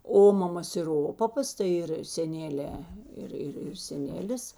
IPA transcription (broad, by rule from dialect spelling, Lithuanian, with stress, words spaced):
ˈoːmɐmɐs ɪr ˈoːpɐpɐs tɐɪ ˈɪr sʲɛˈnʲæːlʲeː ˈɪr ˈɪr ɪr sʲɛˈnʲæːlʲɪs